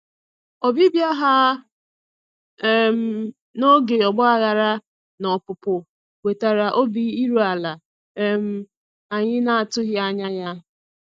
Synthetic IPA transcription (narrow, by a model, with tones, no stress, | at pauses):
ɔ˨bi˦bja˦ɦa˦ | m̩˨˦ | no˦ɡe˨ɔ˨ɡ͡bɔ˦a˦ɣa˨ɾa˦ | nɔ˨pʊ˨pʊ˨ | we˨ta˨ɾa˨ʔo˦bi˨i˦ɾu˦a˨la˨˦ | m̩˦ | a˨ɲɪ˦na˨a˨tʊ˦ɣɪ˦a˦ɲa˦ja˦